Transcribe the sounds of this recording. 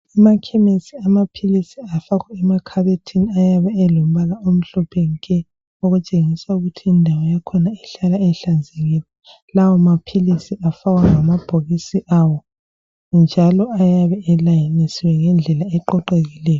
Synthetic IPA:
amakʰɛmisiamapʰilisiafaɣaɛmakʰaβetʰiniajaβɛɛlom̩βalaom̩ɬɔpʰenikʼɛ | oɣut͡ʃʼeŋisauɣutʰiːndʱawɔjakʰɔnaɛɬalaɛɬand͡zʱɛɣiːlɛ | lawɔmapʰilisiʔafaɣwaŋamab̥ʱoɣisiʔawɔ | nd͡ʒʱalɔajaβɛɛlajanisiwɛŋɛnd͡ɮʱɛlaɛǃɔǃeɣilɛːjɔ

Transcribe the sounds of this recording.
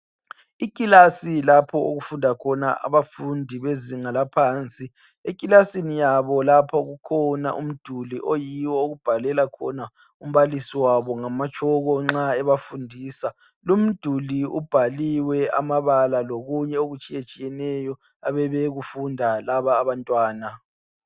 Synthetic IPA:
ikʼilasilapʰɔoɣufundʱakʰɔna̰ʔa̰βafundʱiβeziŋalapʰaːnt͡sʼi | ek̬ʼilasinijaβɔlapʰaɣukʰɔna̰ʔṵm̩d̥ʱuliʔojiwɔoɣub̥ʱalɛlakʰɔ̰na | um̩βalisiwaβɔŋamat͡ʃʰʼɔɣɔŋ͡ǁaɛβafundʱiːsa | lum̩d̥ʱuliub̥ʱaliwɛa̰maβalaloɣuɲɛoɣut͡ʃʼijet͡ʃʼijɛnɛjɔ | aβɛβɛɣufundʱalaβaːβantʼwaːna

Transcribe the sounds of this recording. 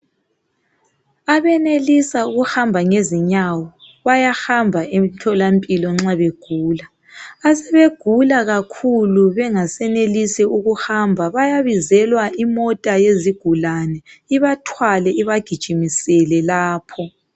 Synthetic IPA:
aβɛnelisauɣuhambʱaŋeziɲawɔ | βajaxambʱaʔemtʰɔlampʼilɔŋ͡ǁaβeɡ̥ʱuːlaː | sɛβeɡ̥ʱulaɣakʰuluβɛŋasɛnelisiuɣuhambʱaβajaβizɛlwaʔimɔtʼajeziɡ̥ʱulanɛiβatʰwalɛʔiβaɡ̥ʱid̥ʒ̥ʱimisɛlɛlaːpʰɔ

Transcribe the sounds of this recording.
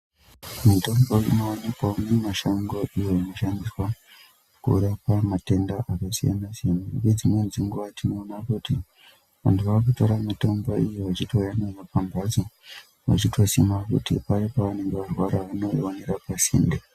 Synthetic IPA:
mito̞mboḭnoanepaunemaʃaŋɡoʔijoino̞ʃandiswa | kṵɾapamate̞ndaʔakasija̰nasianaɡed͡zimwenziŋɡuʋatinoːnakuti | ʋa̰ntuʋaːkuto̞ɾamito̞mboijoʋat͡ʃitʰoujanazapambʱad͡zo | ʋa̰t͡ʃitʰo̞simakṵtḭpajepaʋane̞ŋɡe̞ʋarwaɾaʋano̞oneɾapasḭːnde

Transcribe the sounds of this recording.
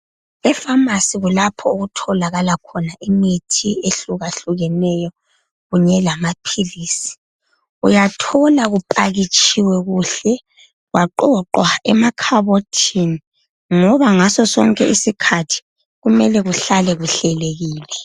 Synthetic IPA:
ɛfamasiɣulapʰɔoɣutʰɔlaɣalakʰɔnaʔimitʰieɬuɣaɬuɣɛnɛjɔ | ɣuɲɛlamapʰiliːsi̥ | ujatʰɔlaɣupʼaɣit͡ʃʰʼiwɛɣuːɬɛ | ɣwaǃɔǃwaɛmakʰaβotʰini | ŋɔβaŋasɔsɔ̰ŋkʼɛʔisikʰatʰi̥ | ɣumɛlɛɣuɬalɛɣuɬɛleɣiːlɛ

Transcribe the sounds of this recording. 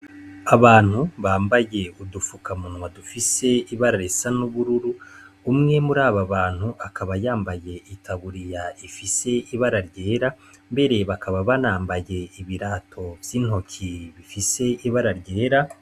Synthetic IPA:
aβaːn̥huβaːmbaje̞udufukamunwadufise̞iβaɾaɾesanuβuɾuɾuː | mŋe̞muɾaːβaβaːn̥huʔakaβajaːmbaje̞ʔitʰaβuɾijaifise̞iβaɾaɾɟe̞ːɾa | mbe̞ɾe̞βakaβaβanaːmbaje̞iβiɾaːtʰo̞vjiːn̥ho̞cʰiβifise̞iβaɾaɾɟeːɾa

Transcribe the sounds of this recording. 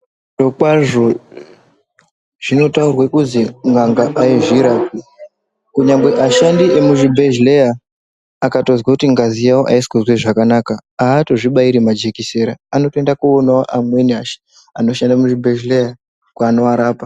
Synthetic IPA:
do̞kwaʐo̞ | ʐ̥ino̞taurwakuziŋɡaŋɡaʔaiʐiɾaːpi | kuɲamɡe̞ʔaʃandiemuʐibʱeʒlejaː | kato̞zwakutiŋɡazijawoʔaisi̥kuzweʐakanakaaːto̞ʐiɓaiɾimad͡ʒe̞kiseɾaano̞toe̞ndakuonaoʔamwe̞niaʃi̥ | anoʃandamuʐibʱeʒleja | kuano̞aɾaːpa

